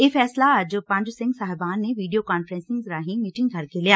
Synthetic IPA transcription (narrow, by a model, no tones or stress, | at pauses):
jeːfɛːslad͡ʒpɐ̃ɲd͡ʒsɪ̃ŋɡsaːɦɛbaːnːeʋiːɖijokaːnfɾɛ̃ːnsɪ̃ŋɡzɾaːɦĩmiːʈɪ̃ŋɡɡʱɐɾkelijaː